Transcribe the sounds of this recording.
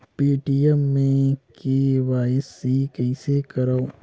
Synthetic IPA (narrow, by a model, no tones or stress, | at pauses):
piːʈiɛmːẽkiʋaːɪsikɛisekɐɾao